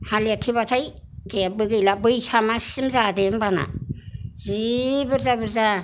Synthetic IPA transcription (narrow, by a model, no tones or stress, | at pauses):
haliatʰibatʰaj | deabɯɡɯjlabɯjsamasimzadembana̰ | zibɯɾzabɯɾza